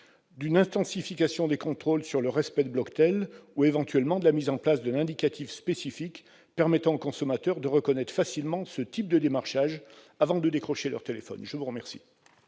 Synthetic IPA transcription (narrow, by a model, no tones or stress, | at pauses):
d̪ynɛ̃t̪ɑ̃sifikasjɔ̃d̪ekɔ̃t̪χolsyʁləʁɛspɛd̪əblɔkt̪ɛluevɑ̃t̪ɥɛlmɑ̃d̪əlamizɑ̃plasd̪ɛ̃nɛ̃d̪ikat̪ʰifspesifik | pɛʁmɛt̪ɑ̃okɔ̃sɔmat̪œʁd̪əʁəkɔnɛt̪χfasilmɑ̃sət̪ip̚d̪əd̪emaʁʃaʒ | avɑ̃d̪əd̪ekχɔʃelœ̰ʁt̪elefɔ̰nʒəvuʁəmɛʁsi̥